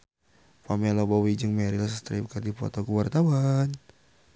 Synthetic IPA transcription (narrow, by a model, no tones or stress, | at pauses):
pamɛlobawid͡ʒəŋmɛɾilas̬st̪ɾipkadipɔ̰t̪ɔɡəwart̪awan